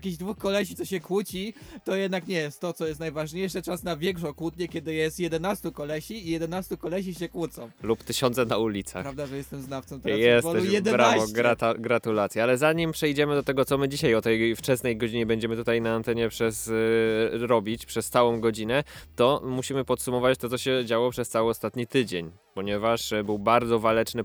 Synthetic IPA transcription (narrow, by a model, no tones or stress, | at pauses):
jakʲiʑd̪vuxkɔlɛɕit̪sɔɕɛkwut͡ɕit̪ɔjɛd̪̚nakɲɛjɛst̪ːɔt̪sɔjɛst̪najvaʐɲejʂɨt͡ʂasnavʲjɛŋkʂɔkwut̪ɲɛkʲɛd̪ɘjɛst̪jɛd̪ɛnast̪ukɔlɛɕiːjɛd̪ɛnast̪ukɔlɛɕ̬iɕɛkwut̪sɔ̃w̃lupt̪ɘɕɔnt̪sɛnaulʲit̪sa̰ɾavd̪aʐɛjɛst̪ɛmznaft̪sɔ̃m̃t̪ɾajɛsvɔd̪ɛujɛd̪ɛɾaɔɡɾaaɡɾat̪ulat̪sʲjɛalɛzaɲimpʂɛjd͡ʑɛmɘd̪ɔt̪ɛɡɔt̪ɔmɘd͡ʑiɕajɔt̪ɛjft͡ʂɛsnɛjɡɔd͡ʑiɲɛbɛɲd͡ʑɛmɘt̪ut̪ajnaːnt̪ɛɲɛpʂɛs | ɾɔbʲit͡ɕpʂɛst̪sawɔ̃w̃ɡɔd͡ʑinɛt̪ɔmuɕimɘpɔt̪sumɔvat͡ɕt̪ɔt̪sɔɕɛd͡ʑawɔpʂɛst̪sawɘɔst̪at̪ɲit̪ɘd͡ʑeɲ | pɔɲɛvaʂbɘwbaɾd̪zɔvalɛt͡ʂnɘ